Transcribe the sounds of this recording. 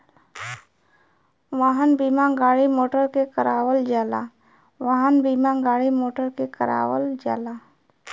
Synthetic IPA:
ʋaːɦənbiːmãɡaːɽimoːʈəɾkekəɾaːwəld͡ʒaːla̰ | ʋaːɦənbiːmãɡaːɽimoːʈəɾkekəɾa̰ːwəld͡ʒaːlaː

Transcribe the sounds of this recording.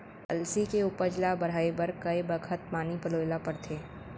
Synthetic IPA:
ɐ̰lsikeʊpəɾd͡ʒlabɐɽ̤aːebɐɾkɐebəkʰət̪̚maːnipəloːjlapɐɾt̪ʰeː

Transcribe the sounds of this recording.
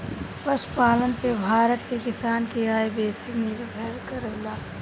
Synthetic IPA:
pɐspaːlənpebʱaːɾət̪kekɪsaːnkeaːebeːsiniɾbʱɛːɾkɐɾelaː

